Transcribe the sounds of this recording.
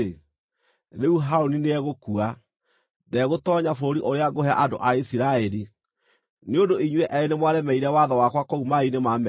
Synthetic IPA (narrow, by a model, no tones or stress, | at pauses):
ðeuɦaɾonineɛɣokua | dɛɣotɔːɲafoɾiʔoɾeaɡohɛa̰ʔando̰ʔaisiɾaɛɾi | neondoiɲwɛʔɛenemwaɾɛmɛiɾɛwaðɔwakwakoumainemamɛ